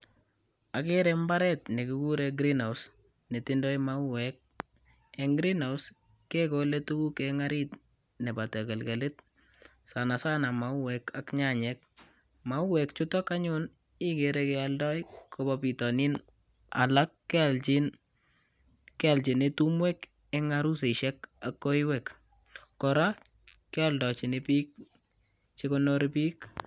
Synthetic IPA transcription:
akeɾɛmbaɾɛtnekɪkuɾɛɡɾinaws | netɪndɔjmauwɛk̚ | ɛŋɡɾinaws | kɛkɔlɛtukukɛŋaɾit | nɛbatɛkɛlkɛlɪt | sanasanamauwɛkakɲaɲɛk̚ | mauwɛkt͡ʃʊtɔkaɲʊn | ɪkeɾɛkɛaldɔjkʰɔbɔpitɔnin | a̰lakːɛlt͡ʃin | kɛlt͡ʃɪnetumwɛk | ɛŋaɾus̬eʃɛkakːoiwɛk | kɔɾa | kɛɔldɔt͡ʃɪnɪpik̚ | t͡ʃɪkɔnoɾipiːk

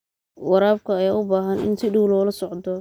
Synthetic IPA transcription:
wɑɾaːb̚kʰɐɐjaːʊbaːɦɐnʔɪ̰nsɪɖuwlɔːlɐsɔʕd̪ɔ

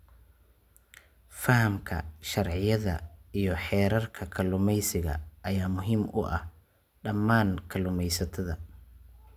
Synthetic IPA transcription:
fɐhɐmkʰɐ̰ʃɐrʕɪjɐðɐijɞħɛːɾɐrkʰɐkʰɐlʊmɛjsɪɣɐ̰ʔɐjaːmʊɦiːmʔʊ̰ʔɐh | ɖɐmːaːnkʰɐlʊmɛjsɐt̪ʰɐðɐ

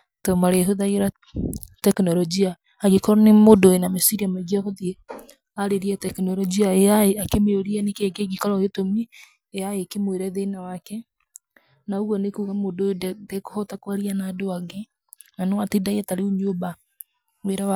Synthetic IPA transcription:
tɔmaɾeɦoðaiɾa | tɛknɔɾɔd͡ʒiaː | ɣikɔɾɔnemodoenamesiɾiamɛɡiɔhoðiɛ | aɾeɾiɛtɛknɔɾɔd͡ʒiaeaeakemeoɾiɛnekeɡeɡikɔɾɔɣetomi | eaekemweɾɛðenawakɛ | naoɣwɔnekuːɣamododɛdɛkohɔtakwaɾianaːdoaɡe | nanɔwatedaiɛtaɾeuɲoba | weɾaa

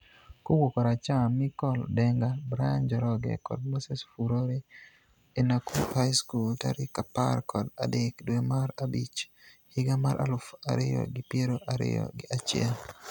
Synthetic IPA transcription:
kowokɔɾat͡ʃamɪkɔldɛŋɡabɾajand͡ʒɔɾɔɡɛ̰kɔ̰d̚mosesfuɾoɾe | enakuhajskulta̰ɾikapa̰rkʰɔda̰dekdwemaɾabit͡ʃhɪɡamaɾʔa̰lʊfa̰ɾɪjɔ̰ɡɪpjeɾoʔaɾɪ̰jɔ̰ɡɪʔat͡ʃɪɛ̰l

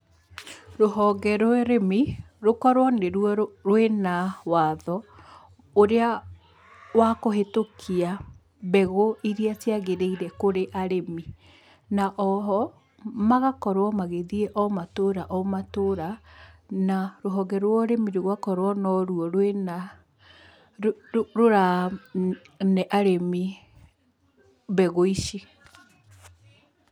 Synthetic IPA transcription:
ɾoɦɔɡɛɾoɛɾemi | ɾokɔɾwɔneɾuɔɾwenawaðɔ | oɾea | wakoɦetokʰia | bɛɣoiɾiateaɣeɾeiɾɛkoɾeʔaɾemi | naʔɔɦɔ | maɣakɔɾwɔmaɣeðieʔɔmatoɾaʔɔmatoɾa | naɾoɦɔɡɛɾwɔɾemiɾeɣwakɔɾwɔnɔɾuɔɾwena | ɾoɾa | nɛʔaɾemi | bɛɣoiʃi

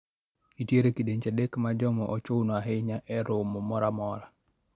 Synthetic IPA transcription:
itjeɾekideɲt͡ʃedekmad͡ʒɔmɔʔɔt͡ʃownɔaɦeɲaʔɛɾʊmɔmɔɾamɔɾa

